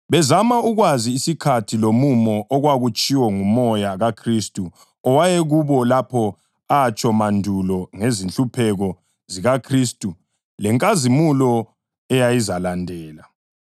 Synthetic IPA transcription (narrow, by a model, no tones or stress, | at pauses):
βɛzamauɣwaziːsikʰatʰilomumɔʔɔɣwaɣut͡ʃʼiwɔŋumɔjaɣakʰristʼu | ɔwajɛɣuβɔlapʰɔ | aːt͡ʃʼɔmandʱulɔŋezinɬupʰɛɣɔ | ziɣakʰristʼu | lɛŋkʼazimulɔ | ɛjajizalandʱɛːla